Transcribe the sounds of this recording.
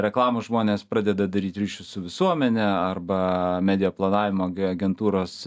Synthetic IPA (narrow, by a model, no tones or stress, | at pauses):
ɾʲɛklˠɑːmʊʒmoːnʲeːspɾɑːd̪ʲɛd̪ɐd̪ɐɾʲiːt̪ɾʲiːʃʲʊsʊʋʲɪsuɔmʲɛnʲɛɐrbɐmʲæːd̪ʲɪjoːplˠɐnɑːʋʲɪmoːɐɡʲɛnt̪uːɾoːs